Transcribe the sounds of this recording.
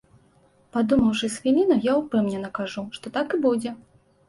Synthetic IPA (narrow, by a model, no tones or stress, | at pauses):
pad̪umɐwʂɨsʲfʲilʲinɐjawpɨmnʲɛnɐkaʐuʂt̪ɔt̪akɨbud͡zʲɛ